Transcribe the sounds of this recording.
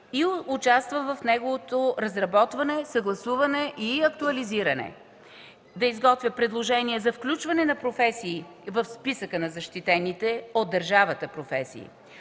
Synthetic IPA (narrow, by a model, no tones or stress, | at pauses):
iʊt͡ʃast̪vəvɐfnɛɡovot̪oɾɐzɾɐbɔt̪vɐnɛsɐɡlˠɐsuvɐnɛʔiɐk̚t̪uɐliziɾənɛ̰ | d̪ɐizɡɔt̪vʲəpɾɛd̪lˠoʒɛniɛzɐfklʲut͡ʃvɐnɛnɐpɾofɛsiː | vəfspisəkənɐzɐʃt̪it̪ɛnit̪ɛod̪̚ːəɾʒavət̪əpɾofɛsḭː